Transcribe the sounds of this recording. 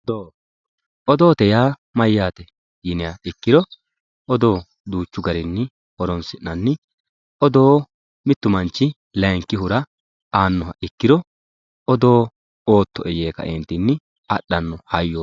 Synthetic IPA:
d̪oː | ʔɔd̪o̞ːt̪ɛjaː | mɐjːaːt̪ɛ | jɪnɪjaɪkːɪd̪ɔ | ʔɔd̪o̞ː | d̪uːt͡ʃːʊɡɐɾɪnːɪ | hɔɾɔnsɪnːɐnːɪ | ɔd̪oː | mɪt̪ːʊmɐnt͡ʃːɪ | lɛŋkːɪɦʊɾɐ | aːnːɔɦɐʔɪkːɪd̪ɔ | ɔd̪oː | oːt̪ːɔʔɛjeːkɐ̰ʔɛnt̪ːɪnːɪ | ɐɗːɐnːɔhɐjːo

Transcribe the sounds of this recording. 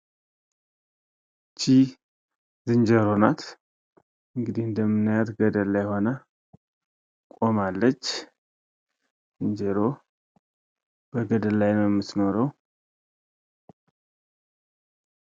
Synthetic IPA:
t͡ʃʰi | zɨnd͡ʒəɾo̞nat̪ | ʔɨŋɡɨd̪ihɨnd̪əmːɨnɨjat̪ɡəd̪əlːajho̞nə | kʼo̞malːət͡ʃː | zɨnd͡ʒəɾo̞ | b̥əɡəd̪əlːajnəwjɛmːɨt̪no̞ɾəw

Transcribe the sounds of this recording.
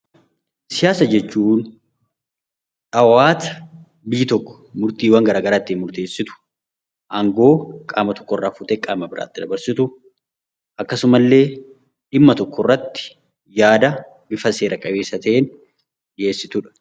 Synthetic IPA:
sɪjaːsɐd͡ʒɛt͡ʃːuːn | ᶑɐwaːt̪ɐ̥ | biːt̪ɔkːɔ̥mʊɾt̪iːwɐŋɡɐɾaːɡɐɾaːt̪ːiːnmʊɾt̪eːsːɪt̪ʊ̥ | ʔɐŋɡo̞ːkʼa̰ːmɐt̪ɔ̥kːɔrːaːfʊt̪eːkʼaːmɐbɪɾa̰ːt̪ːɪd̪ɐbɐɾsɪt̪ʊ | ʔɐkːɐsʊmɐlːe̞ː | ᶑɪmːɐt̪ɔkːɔrːɐt̪ːɪ̥ | jaːd̪ɐ | bɪfɐse̞ːɾɐkʼɐbe̞ːsːɐt̪ʰɐʔeːn | ᶑɪeːsːɪt̪ʊᶑɐ̥

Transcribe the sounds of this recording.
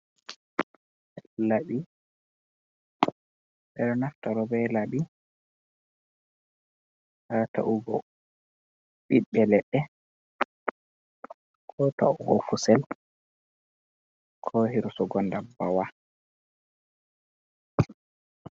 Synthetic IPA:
ɛlaɓi | ɓɛɗɔnaftaɾɔbɛlaɓi | hata̰ʔuɡɔ | ɓiɓɛlɛɗːɛ | kʰɔtauɡɔ̰kusɛl | kʰɔhiɾsɔɡɔndabawa

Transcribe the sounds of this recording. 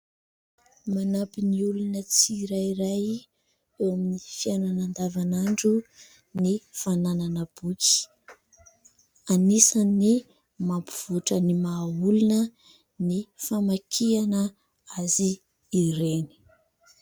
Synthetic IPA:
manapiniulunət͡siɾajiɾaj | ewaminifiananand̪avanaɳɖ͡ʐu | nifanananəb̥uki̥ | anisanːi | mampuv̥uʈ͡ʂənimaulunə | nifamakʰianə | aziː | ɾeni̥

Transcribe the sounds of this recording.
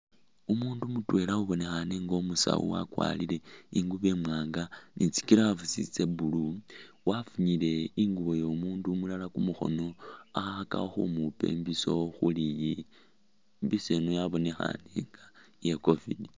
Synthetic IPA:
umuːndumutwe̞ːlauβo̞ne̞xaneŋɡomusa̰wṵwa̰kwa̰lile̞iŋɡuβe̞mwaːŋɡanʔit͡si̥kiɾavusit͡se̞bulu | wafuɲile̞iŋɡuβo̞jomuːndumulalakumuxo̞̰no̞axaxaka̰oxṵmupe̞̰mbiso̞xuliji | mbisenojaβo̞ne̞xa̰neŋɡa | jeko̞vḭdi

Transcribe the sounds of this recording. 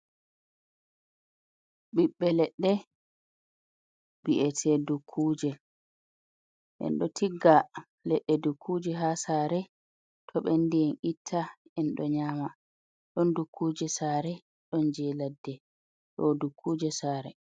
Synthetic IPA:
ɓiɓːɛlɛɗːɛ | biʔɛtʰɛdukʰːuːd͡ʒɛ | ʔɛ̰nɗɔtʰiɡːa | lɛɗːɛdukʰːuːd͡ʒɛɦasaːɾɛ | tʰɔɓɛndijɛnʔitʰːa | ɛnɗɔɲaːma | ɗɔndukʰːuːd͡ʒɛsaːɾɛ | ɗɔnd͡ʒɛladːɛ | ɗɔdukʰːuːd͡ʒɛsaːɾɛ̰

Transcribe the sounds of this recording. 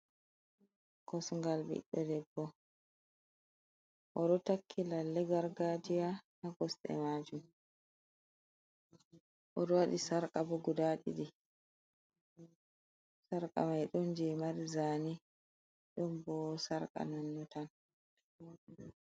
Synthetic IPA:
kɔsŋɡalbḭɗːɔdɛbːɔ | ʔɔɗɔtakʰːilalːɛɡaɾɡad͡ʒijanaɡɔsɗɛ̰maːd͡ʒum | ʔɔɗɔwaɗisaɾkʼabɔɡudaɗḭdi | saɾkʼa̰majɗɔnd͡ʒɛmaɾizaːni | ɗɔmbɔsaɾkʼa̰nɔnːɔtan

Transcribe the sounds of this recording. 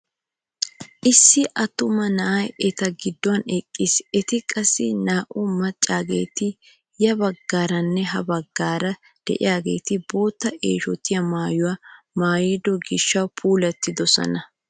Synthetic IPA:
ʔɪsːɪʔɐt̪ʊmɐnɐʔɐjɛt̪ɐɡɪd̪ːɔwɐnɛkʼːɪsɛt̪ɪkʼɐsːɪnaːʔʊmɐt͡ʃʼːaːɡe̞̰ːt̪ɪ | jɐbɐɡːaːɾɐnːɛɦɐbɐɡːaːɾɐ | d̪̥ɛ̰ʔɪ̰jaːɡe̞ːt̪ɪbo̞ːt̪ːɐʔeːʃɔt̪ːɪjɐmaːjʊwa | maːjɪd̪ɔɡɪʃːɐwpʰuːlɛt̪ːɪd̪ɔsɐ̰nɐ

